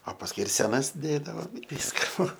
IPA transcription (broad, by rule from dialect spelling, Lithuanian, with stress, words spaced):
oː pɐsˈkʊɪ ɪr sʲɛˈnɐs ˈdʲeːdɐʋoːm ɪ ˈʋʲiːskɐ ˈbuːʋɐ